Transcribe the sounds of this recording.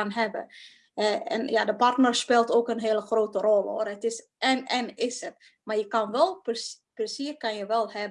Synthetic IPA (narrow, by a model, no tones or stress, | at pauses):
anɦɛbə̰ | ɛɛ̰njadəpartnərspeːlˠtoːkənɦeələxroːtərɔlˠo̰ərɦətɪs | ɛnɛnɪsət | majəkɑnʋɛlˠps | prəsiərkɑnjəʋɛlˠɦɛb